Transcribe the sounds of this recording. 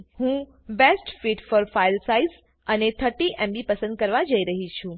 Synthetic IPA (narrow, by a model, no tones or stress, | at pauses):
ɦũ | besʈfiʈfɔɾfailsaiz | ənet̪ʰəɾʈiʔẽmbipəsə̃nd̪̚kəɾʋad͡ʒəiɾəɦit͡ʃʰũ